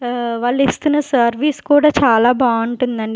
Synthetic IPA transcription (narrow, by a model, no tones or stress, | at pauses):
ʋaːɭːist̪unːɐsɐɾʋiːskuːɽaːt͡ʃaːlaːbaːuɳʈund̪ɐɳɖi